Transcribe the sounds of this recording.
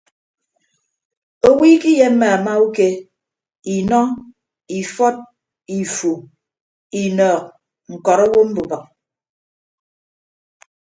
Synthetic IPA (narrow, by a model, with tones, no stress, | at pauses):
o˦wiː˦ki˦je˦m̩˦ma˨a˨ma˦u˦ke˦ | i˨nɔ˦ | i˨fɔ˦t̚ | i˨fu˨ | i˨nɔː˨k̚ | ŋ̩˨kɔ˨ɾɔ˦wo˦m̩˦bu˨ba˨k̚